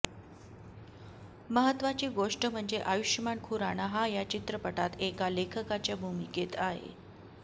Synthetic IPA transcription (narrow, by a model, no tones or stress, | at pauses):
məɦət̪ʋat͡ɕiːɡoʂʈəm̤əɳd͡zeʔajuʂjəmaɳkʰuɾaɽ̃aɦajat͡ɕit̪ɾəpəʈat̪ekalekʰəkat͡ɕjabʱumiket̪aɦḛ